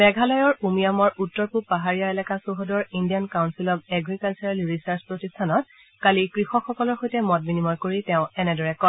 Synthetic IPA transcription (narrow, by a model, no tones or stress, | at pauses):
bɛɡʱalɔjɔɹumijamɔɹutːɔɹpupaɦaɹijaɛlakasuɦɔdɔɹindijankawnsilɔb̚ɛɡɹikalt͡ʃɔɹalɹisaɹspɹotistʰanɔt̚ | kalikɹixɔkxɔkɔlɔɹxojtɛmɔt̚minimɔɹkoɹitɛʊ̃ɛnɛdɔɹɛkɔ